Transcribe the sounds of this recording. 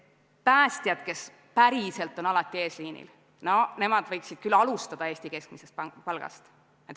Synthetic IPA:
pæːst̪iɑd̪̥ke̞s | pæɾise̞lt̪ːˑo̞nɑlɑt̪ːˑie̞ːsliːnḭl | no̞ne̞mɑd̪vɤjksid̪̥kylɑlust̪ɑd̪̥ɑe̞ːsʲt̪ike̞sk̚mise̞st̪ppɑlɡ̥ɑ̰st̪ | et̪

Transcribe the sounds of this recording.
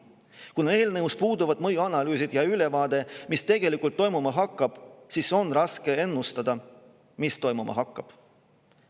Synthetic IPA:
kunɑe̞ːlnɤuspuːd̪uvɑd̪̥mɤjuɑnɑlyːsid̪̥jɑyle̞vɑːd̪e̞mist̪e̞ɡ̥e̞likˑult̪ːo̞jmumɑɦɑkːˑɑb̥siso̞nrɑske̞e̞nːust̪ɑd̪̥ɑ | mist̪o̞jmumɑ̰ɦɑkˑːɑb̥

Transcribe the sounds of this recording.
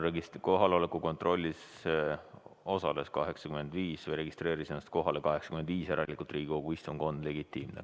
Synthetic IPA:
reɡisko̞ɦɑleo̞le̞kuko̞nt̪ro̞lʲːis | o̞sɑle̞skɑɦe̞ksɑkyme̞nd̪viːsvejɾe̞ɡist̪re̞ːɾisenːɑst̪̚ko̞ɦɑlekɑɦe̞ksɑ̥kymend̪viːseɾɑlikˑult̪riːɡʲikoɡ̥uist̪oŋko̞nd̪̥le̞ɡit̪ːˑiːmnḛ

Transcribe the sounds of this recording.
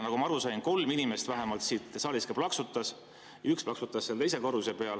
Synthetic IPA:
nɑɡumɑɑɾusɑjnko̞lminime̞st̪væɦemɑlt̪sit̪ːsɑːliskeplɑksut̪ːˑɑs | jɑyksplɑksut̪ːˑɑsːelt̪e̞js̬e̞ko̞ɾuse̞pe̞ɑl

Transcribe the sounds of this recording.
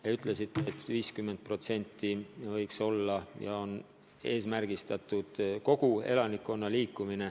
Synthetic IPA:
jeyt̪ˑle̞sit̪ːˑeːt̪viːskymːe̞nt̪̚pro̞t̪se̞nʲt̪ːivɤjkso̞lːɑjɑo̞n | e̞ːsmærɡ̥ist̪ɑt̪ˑud̪̥ko̞ɡ̥ue̞̰lɑnikːo̞nːɑliːkːˑumine̞

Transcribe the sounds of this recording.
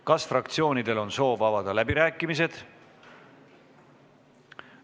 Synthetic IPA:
kɑsfrɑkt̪sio̞ːnid̪̥e̞lo̞nso̞ːvɑbɑd̪̥ɑlæbiɾæːkːˑimis̬e̞d̪̥

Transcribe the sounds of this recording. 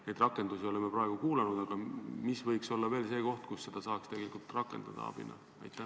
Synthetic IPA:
nejd̪rɑkːˑe̞nd̪usio̞le̞mːepɾɑe̞ɡ̥ukuːlenud̪̥ɑɡ̥ɑmisvɤjkso̞lːɑve̞ːlse̞ːko̞ht̪̚kusːe̞d̪̥ɑsɑːkst̪eɡe̞likˑult̪rɑkːˑe̞nd̪̥ɑ̰d̪ɑ̰ɑ̰b̥ḭnɑ̰ | ɑ̰jt̪ːˑæ

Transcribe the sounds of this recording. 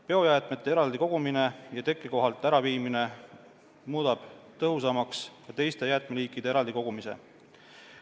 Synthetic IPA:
pe̞o̞jæːt̪me̞t̪ːˑe̞eɾɑld̪iko̞ɡ̥umine̞jɑt̪e̞kːˑiko̞ɦɑlt̪ːˑæɾɑviːmine̞ | muːd̪̥ɑb̥t̪ɤɦus̬ɑmɑkskɑt̪e̞jst̪e̞jæːt̪meliːkːˑid̪eeɾɑld̪iko̞ɡ̥umise̞̰

